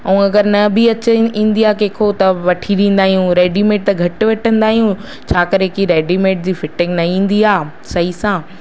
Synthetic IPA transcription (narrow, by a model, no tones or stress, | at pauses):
ɐũɐɡəɾnɐbɪɐt͡ɕĩːn̆d̪iaːkeːkʰot̪ɐʋɐʈʰiɾĩːn̆d̪aːɦijũɾeːɖimeːʈ̚t̪ɐɡʱɐʈʋɐʈʰə̃nd̪aːɦijũ | t͡ɕʰaːkɐɾekiɾeːɖimeːʈ̚d͡ʑiːfɪʈɪ̃ŋɡnɐĩːn̆d̪iaː | sɐɦisãː